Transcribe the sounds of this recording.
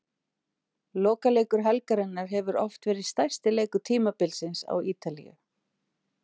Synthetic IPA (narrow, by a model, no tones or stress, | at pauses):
lɔːkaleːjkʏɾ̥ɦɛlkaɾɛnːaɾ̥ɦɛvʏɾɔft̪vɛːɾɪðst̪aj̥st̪ɪleːjkʏt̪ʰiːmapɪlsɪnsa̰wiːt̪alḭjʏ̰